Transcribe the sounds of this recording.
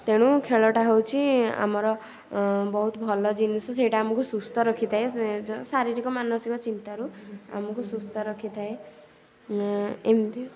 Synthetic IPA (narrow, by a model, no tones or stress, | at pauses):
t̪eɽ̃ũkʰeɭɔʈaɦewt͡ʃʰia̰mɔɾɔ | bɔɦut̪bʱɔlɔd͡ʒinisɔs̬eʈaamɔkusust̪ɔɾɔkʰit̪ʰaesaɾiɾikɔmanɔsikɔt͡ʃint̪aɾua̰mɔkusust̪ɔɾɔkʰit̪ʰae | emd̪i